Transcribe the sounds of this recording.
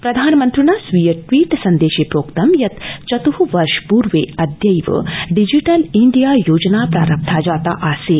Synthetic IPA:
pɾɐd̪ʱaːnmɐ̃nt̪ɾunaːsʋijəʈʋiːʈsɐnd̪eːʃepɾoːkt̪ɐmjɐt̪t͡ʃɐt̪uɦuʋɐɾʃpuːɾʋeːɐd̪jɐjʋə̰ɖid͡ʒiʈɐliɳɖijaːjoːd͡ʒnaːpɾa̰ːɾɐp̚t̪ʰad͡ʒaːt̪a̰ʔaːseː

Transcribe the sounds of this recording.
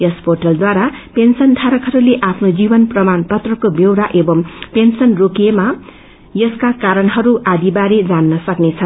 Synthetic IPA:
jʌspoʈʌld̪waɾapensʌnt̪ʰaɾʌkɦʌɾuleʔapʰnod͡zibʌnprʌmanpʌt̪rʌkobewɾaʔebʌmpensʌnrokema | jʌskakaɾʌnɦʌɾuʔad̪ibaɾed͡zanːʌsʌknet͡sʰʌ

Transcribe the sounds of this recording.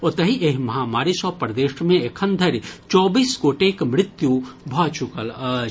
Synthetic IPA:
ɔt̪əɦiʔeɦmɐɦaːmaːɾisɔpəɾd̪eːʃmẽekʰənd̪ʱəɾt͡ʃɔːbiːsɡoːʈekmɾɪt̪jubʱɔt͡ʃukələ

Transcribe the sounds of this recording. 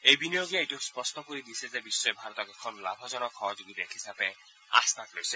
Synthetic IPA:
ejbinijoɡiaejʈukspɔsʈɔkoɾid̪isʰezebisːɔebʱaɾɔt̪ɔkekʰːɔnɔlabʱɔd͡ʒɔnɔkʰːɔɦɔd͡ʒuɡit̪aɦisape | a̰st̪aklojse

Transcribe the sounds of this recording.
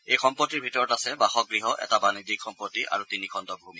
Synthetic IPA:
ejxɔmpotːiɹbʱitɔɹɔtasɛbaxɔk̚ɡɹiɦɔʔɛ̰tabanidikʰxɔmpotːiʔa̰ɹutinikʰɔndɔbʱumi

